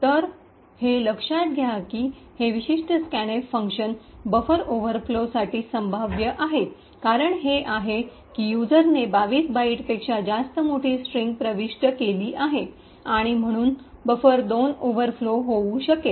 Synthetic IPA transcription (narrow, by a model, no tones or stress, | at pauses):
t̪əɾ | heləkʂat̪̚ɡʱjakiː | heʋiɕiʂʈʰəskæñefəŋkɕənbəfəɾoʋəɾflosaʈiːsəmbʱaʋjəʔaɦe | kaɾəɳɦeʔaɦe | kijud͡zəɾnebaʋiːsbaiʈpekʂad͡zast̪əmoʈʰiːsʈɾiŋɡ̚pɾəʋiʂʈəkeliːʔaɦe | aɽ̃im̤əɽ̃uːnbəfəɾd̪onoʋəɾfloɦouɕəke